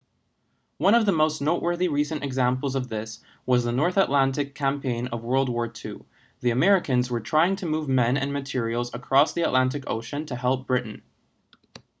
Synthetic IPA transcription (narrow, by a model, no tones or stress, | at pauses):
wʌ̃ñʌvðəmoʊsⁿnoʊʔwɜ˞ðiɹisɨ̃ntɨɡzæ̃mpl̩ˠzʌvðɪs | wʌzðənɔɹθəʔˡlæ̃ntɨkʰæ̃mpʰẽɪ̃nʌvwɜ˞lˠd̚wɔɹtʰʉ | ðiɨmɛɹɨkɨ̃nzwə˞tʰɹ̥aɪɪ̃ŋtʰɨmuvmɛ̃nɨ̰̃nmɨtʰɪɹil̩ˠzəkʰɹ̥ɔsðiɨʔlʔæ̃nt̬ɨko̰ʊʃɨ̃ntʰɨhɛlˠp̚b̥ɹɪʔn̩